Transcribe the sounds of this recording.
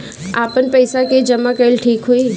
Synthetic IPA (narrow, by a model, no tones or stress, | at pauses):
aːpənpəɪsaked͡ʒəmãkəɪlʈʰiːkɦuiː